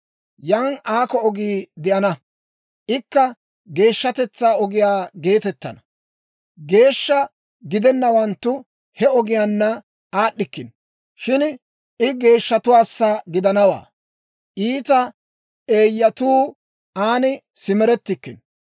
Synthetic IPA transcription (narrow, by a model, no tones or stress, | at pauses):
jaːnaːkɔɔɡiːd̪ɪʔɐnɐ | ʔɪkːɐ | ɡe̞ːʃːɐt̪ɛt͡sːaːɔɡɪjaːɡe̞ːt̪ɛt̪ːɐ̰nɐ̥ | ɡe̞ːʃːɐ | ɡɪd̪ɛnːɐwɐnt̪ːʊ | hɛɔɡɪjaːnːɐ | ʔaːɗːɪkːɪn | ʃɪn | ʔɪɡe̞ːʃːɐt̪ʊwaːsːaɡɪd̪ɐnɐwa̰ː | ʔiːt̪ɐ | e̞ːjːɐt̪uː | ʔaːnɪ | sɪmɛɾɛt̪ːɪkːɪn